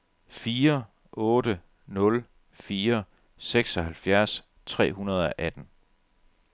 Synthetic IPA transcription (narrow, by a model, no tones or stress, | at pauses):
fiːɐ | ʔɔ̽ːɾə | nɔ̽l | fiːɐ | seɡ̥sɒ̽ɦælfjæɐs | t͡sʰʁɛ̰ːɦunɐð̞ˠɒʔæd̥n̩